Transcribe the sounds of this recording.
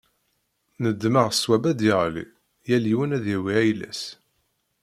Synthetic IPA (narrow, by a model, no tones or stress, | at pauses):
nəd̪ːməʁswæbæd̪iʁlḭ | jæliwənæðjæwiæjlæ̰s